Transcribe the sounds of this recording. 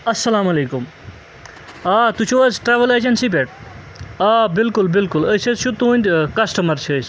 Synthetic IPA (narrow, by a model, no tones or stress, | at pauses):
ɐsːɐlaːmɐlekum | at̪ut͡ʃʰuʋɐzʈɾaʋɐled͡ʒɐnsibeʈ̚ | aːbilkulbilkuləsʰɐt͡ʃʰut̪unʲd̪ʲkɐsʈɐmɐɾt͡ʃʰəs